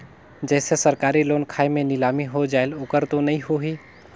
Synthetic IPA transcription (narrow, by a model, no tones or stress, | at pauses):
d͡ʒɛːsesəɾkaːɾiloːnkʰaːimẽnɪlaːmiɦod͡ʒaːelʊkəɾt̪onɐɦĩɦoɦiː